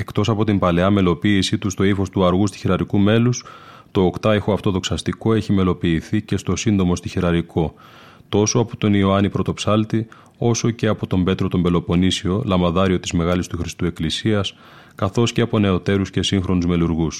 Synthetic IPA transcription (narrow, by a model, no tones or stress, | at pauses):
e̞kt̪o̞sɐpo̞t̪imbɐle̞ɐme̞lo̞piːsit̪ust̪o̞ifo̞st̪uɐɾɣust̪i̥çiɾɐɾikume̞lus | t̪o̞ːkt̪ɐexoɐft̪o̞ðo̞ksɐst̪iko̞e̞çime̞lo̞piːθice̞st̪o̞sind̪o̞mo̞st̪içiɾɐɾiko̞ | t̪o̞so̞ɐpo̞̥t̪o̞nio̞ɐnipɾo̞t̪o̞psɐlt̪i | o̞so̞ce̞ɐpo̞t̪o̞mbe̞t̪ɾo̞t̪o̞mbe̞lo̞po̞nisio̞lɐmɐðɐɾio̞t̪izme̞ɣɐlist̪uxɾist̪ue̞klisiɐs | kɐθo̞sce̞ɐpo̞ne̞o̞t̪e̞ɾusce̞siŋxɾo̞nuzme̞luɾɣus